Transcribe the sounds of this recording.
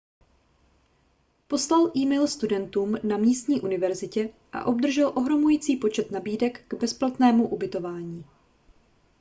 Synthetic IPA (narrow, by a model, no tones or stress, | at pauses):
po̞slalʔiːmɛjlst̪udɛnt̪uːmnamɲiːst̪ɲiːʔunɪvɛɾzɪcɛ | ʔa̰ʔo̞b̚d̪r̩ʒɛlʔo̞ɦɾo̞mujiːt͡siːpo̞t͡ʃɛt̪nabiːdɛkɡ̥bɛsplat̪nɛːmuʔubɪt̪o̞vaːɲiː